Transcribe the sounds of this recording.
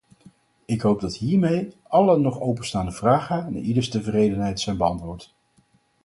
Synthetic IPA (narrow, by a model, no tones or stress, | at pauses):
ɪkɦowb̚dɑtɦiːɹmej | ɑlənɔχowpənstaːndəvraːχəna̰idəɹstəvərejdənɦɛjtsɛjnbəɑntʋʊːɹt